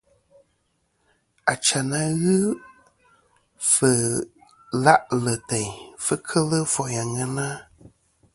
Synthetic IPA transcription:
a˨t͡ʃa˨na˨ɣɨ˦ | fə˨ | la˦ʔlə˨te˨jfə˦kʰə˦lə˦fɔ˨ja˨ŋə˦na˦

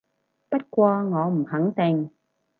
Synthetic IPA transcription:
pɐ˥t̚kʷɔː˧ŋɔː˨˧m̩˨˩hɐ˨˥ŋt̪ɪ˨˩ŋ

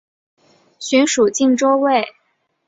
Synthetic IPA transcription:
ɕy˧˥nʂu˨˩t͡ɕi˥˩ŋʈ͡ʂo˥ʊwe˥˩ɪ

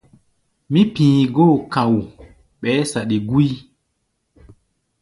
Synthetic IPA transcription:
mi˦pĩː˨ɡo˦˨kã˨w | ɓɛ˨˦sa˨ɗi˨ɡu˦i˦

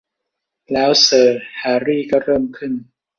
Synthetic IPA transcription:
lɛː˦˥wsɤː˨˩haː˩˦ɾiː˥˩kɔ˥˩ɾɤː˥˩mkʰɯ˥˩n

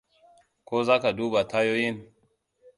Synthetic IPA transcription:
ko˦za˦ka˨du˦ba˨tʰa˦jo˦ji˦n

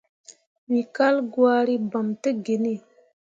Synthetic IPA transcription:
wi˨ka˦lɡwa˦ɾi˦ba˨mtə˦ɡe˨ne˦˨

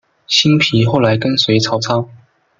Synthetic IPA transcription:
ɕi˥npʰi˨˥˦xo˥˩ʊla˨˧˥ɪkə˥nswe˨˧˥ɪt͡sʰɑ˨˥ʊt͡sʰɑ˥ʊ

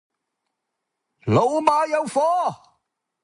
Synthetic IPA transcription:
lo˨wmaː˨˧jɐ˨˧wfɔː˥

